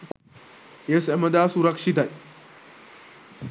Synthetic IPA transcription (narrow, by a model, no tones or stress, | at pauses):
esɐmɐd̪aːsuɾɐkʂit̪ɐj